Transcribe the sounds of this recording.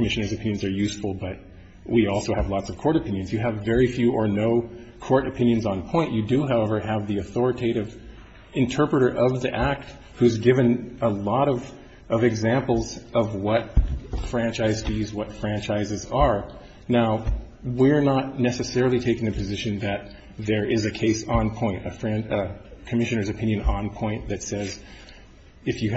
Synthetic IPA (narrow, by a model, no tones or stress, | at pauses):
kʰəmɪʃɨnə˞zɨpʰɪ̃njɨ̃nzə˞jʉsfl̩ˠbʌt̚ | wʔiɔlˠsoʊɨvlɑtsʌv̥kʰɔɹɾɨpʰɪ̃njɨ̃nzjɨːvːɛɹifjʉʔə˞noʊ | kʰɔɹɾɨpʰɪ̃njɨ̃nzn̩pʰɔ̃ɪ̃nʔjɨdɨɦaʊɛvə˞ɨvðiɨθɔɹɨtʰeɪɾɨv | ɨ̃ntʰɜ˞pɹɨɾə˞ʔʌvðiʔæk̚t̚ | hʉzɡɪvɨ̃nəlɔɾʌv | ʔʌvɨɡzæ̃mpl̩ˠzʌvwʌt̚fɹæ̃nt͡ʃaɪz̥tʰɨzwʌtfɹæ̃nt͡ʃaɪzɨzə˞ | naʊ | wɪɹnətⁿnɛsɨsɛɹl̩ˠitʰeɪkɪ̃ŋɨpʰɨzɪʃɨ̃nðɨt̪̚ | ðə˞ʔɪzɨkʰeɪsn̩pʰɔ̃ɪ̃ntɨfɹɛ̃ndkʰɨmɪʃɨ̃nə˞zɨpʰɪ̃njɨ̃nə̃npʰɔ̃ɪ̃nðɨtsɛz | ɨfjɨ